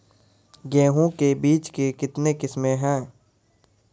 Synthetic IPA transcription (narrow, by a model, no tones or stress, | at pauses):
ɡɛ̃ːɦõkebiːt͡ʃkekɪt̪nekɪsmẽɦɛ̃ː